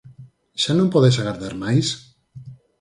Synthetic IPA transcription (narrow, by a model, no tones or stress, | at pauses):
ʒ̥anõmpoðes̬aɣaɾðaɾmajs